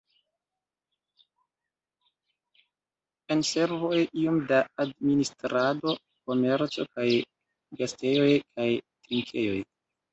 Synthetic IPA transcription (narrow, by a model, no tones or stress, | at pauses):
ense̞ɾvo̞jio̞mdaːdministɾado̞ | ko̞me̞ɾt͡so̞kaj | ɡaste̞jo̞jkʰajtiŋkʰe̞jo̞j